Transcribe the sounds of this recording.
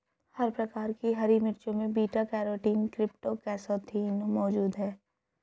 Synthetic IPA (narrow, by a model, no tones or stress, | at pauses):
hɐɾpɾɐkaːɾkiɦɐɾimɪɾt͡ʃõmẽbiːʈakɛːɾoːʈiːnkɾɪpʈokɛːsoːt̪ʰiːnmɔːd͡ʒuːd̪ɦɛː